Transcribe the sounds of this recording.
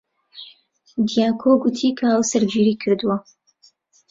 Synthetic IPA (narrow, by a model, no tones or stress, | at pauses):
d̪ijaːkʰoɡʊt̪ʰikʰɐʔawsɐɾd͡ʒiːɾiːkʰɨɾd̪uwɐ